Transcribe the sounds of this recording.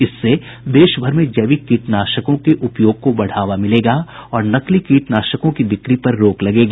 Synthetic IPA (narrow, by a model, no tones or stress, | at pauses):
ɪsːe | d̪eːʃbʱɐɾmẽd͡ʒɐʋikiːʈnaːʃəkõkeʔʊpjoːɡ̚kobɐɽ̤aːʋamɪleːɡaːɔːɾnɐklikiːʈnaːʃəkõkid̪ɪkɾipɐɾːoːklɐɡeːɡaː